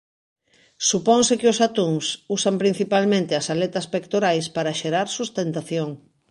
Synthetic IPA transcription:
supɔŋsɪkɪʊsat̪uŋsusampɾin̟θipalmẽnt̪ɪɐsalɛt̪ɐspekt̪oɾajspaɾɐʃeɾaɾsust̪ent̪aθjoŋ

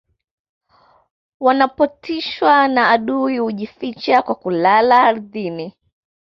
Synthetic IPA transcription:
wanapɔtʰiʃwanaːɗuihuʄifit͡ʃakwakulalaːɾðini

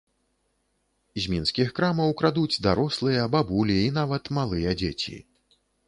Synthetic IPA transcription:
zʲmʲinskʲixkɾamɐwkɾad̪ud͡zʲd̪aɾɔslˠɨjɐbabulʲiinavɐt̪malˠɨjɐd͡zʲḛt͡sʲḭ

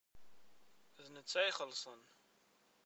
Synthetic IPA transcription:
ðnət͡sːæiχəlsˤən

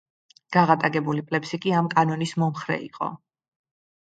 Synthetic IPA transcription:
ɡ̥aʁat̪ʼaɡɛbulipʼlɛpsikʼiamkʼanɔnismɔmχɾɛ̰ḭqʼɔ̰

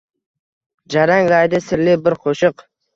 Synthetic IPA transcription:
d͡ʒaɾaŋɾajd̪ɪsɪɾlɪbɪɾqʰoʃɨq

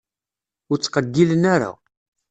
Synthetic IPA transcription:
ʊɾt͡sːqəɡːilənaɾa̰

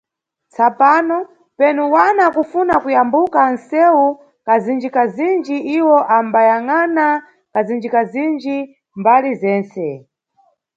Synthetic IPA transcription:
t͡sʰapaːnɔ | pɛnuwanakufunakujambukan̩sɛwu | kazind͡ʒikazind͡ʒiʔiwɔʔambajaŋana | kazind͡ʒikazind͡ʒi | mbalizɛːnt͡sɛ

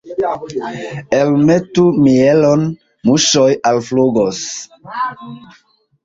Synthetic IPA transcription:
elmetumielon | muʃojalfluɡos

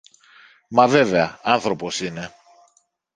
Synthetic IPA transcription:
mɐve̞ve̞ɐɐnθɾo̞po̞sine̞

